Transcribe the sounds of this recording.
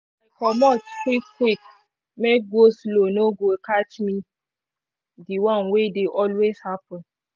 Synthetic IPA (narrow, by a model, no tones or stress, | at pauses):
akɔmɔtkwikkwik | mek̚ɡoslonoɡokat͡ʃmĩ | diwãnwedeʔɔlweshapɔ̃n